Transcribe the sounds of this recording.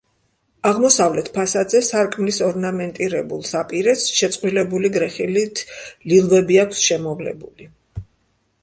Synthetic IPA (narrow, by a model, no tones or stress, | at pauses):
aʁmɔsavlɛt̪ʰpʰasad̪zɛsaɾkʼmlisɔɾnamɛnt̪ʼiɾɛbulˠsapʼiɾɛsʃɛt̪sʼqʼwilɛbuliɡɾɛχilit̪ʰlilˠvɛbiakʷʰsʃɛmɔvlɛ̰buli